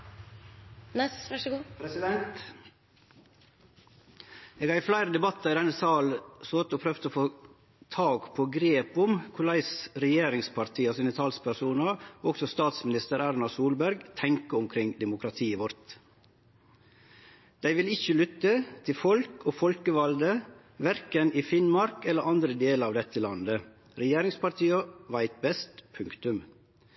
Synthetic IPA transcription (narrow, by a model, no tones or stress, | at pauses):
nɛsʋʂɡpɾɛsɪd̪ɛnt̪ | eːɡɑːɾɪflæɪɾəd̪ɛbɑt̪ːɑɾɪd̪ɛnːəsɑːlsoːt̪oːpʰɾœft̪əoːfoː | t̪ʰɑːɡpʰoːɡɾeːpʊmkʰʊlæɪsɾɛjeːɾɪŋspʰɑɾt̪ʰiːɑsiːnət̪ʰɑlspʰæɾsuːnɑɔɡsɔst̪ɑːt̪smɪnɪst̪əɾæɾnɑsuːlbæɾɡt̪ʰɛŋkəʊmkʰɾɪŋd̪ɛmʊkʰɾɑt̪ʰiːəʋɔɾt̪ | d̪̥æɪʋɪlɪçəlʏt̪ːət̪ʰɪlfɔlkʰoːfɔlkəʋɑld̪ə | ʋæɾkənɪfɪnmɑɾkɛlːəɾʔɑnd̪ɾəd̪eːləɾɑːʋd̪ɛt̪ʰːəlɑnd̪ə | ɾɛjeːɾɪŋspɑɾt̪ʰiːɑʋæɪt̪̚bɛst̪pʰʉŋkt̪ʉm